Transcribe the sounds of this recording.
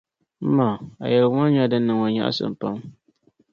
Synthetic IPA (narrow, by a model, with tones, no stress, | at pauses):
m̩˦ma˨a̰˨jɛ˨lŋa˦n˦ɲa˦dɨ˦nː˦ɨ˨ŋɔ˨ɲa̰˦ʔa̰˦sɨ̰˨m˨pa˦m